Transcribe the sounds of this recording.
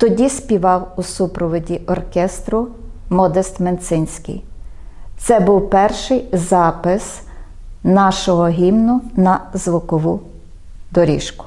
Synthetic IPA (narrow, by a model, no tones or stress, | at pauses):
t̪ɔdʲispʲiʋɑwusupɾɔʋɔdʲiʔɔrkʲɛst̪ɾʊmɔd̪est̪ment̪sɪnʲsʲkɪ̰j | t̪sɛbuwpɛrʃɪjzɑpɪs | nɑʃɔɦɔɦʲimnʊnɐzʋɔkɔʋu | d̪ɔɾʲḭʃkʊ̥